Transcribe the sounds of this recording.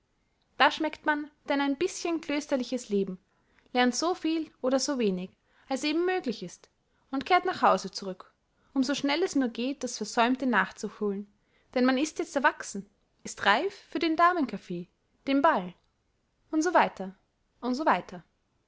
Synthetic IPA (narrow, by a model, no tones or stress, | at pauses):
d̥aːʃmɛktmand̥ɛnaɪnbɪsçənkl̥øːstɐlɪçəsleːbm̩ | lɛɐntz̥ofiːlʔoːɾɐzoːveːnɪk | alsʔeːbm̩ːøːɡlɪçɪst | ʊntkʰeːɐtnaχhaʊzət͡suʁʏk | ʔʊmzoʃnɛlɛsnuːɐɡeːt̚d̥asfɛɐzɔʏmtənaːχt͡sʊhoːln | d̥ɛnmanɪstjɛt͡stɛɐvaksn̩ | ʔɪstʁaɪffyːɐdeːndaɐmənkʰafeː | d̥eːmbal | ʊntz̥ovaɪtʰɐ | ʔʊntzovaɪtʰɐ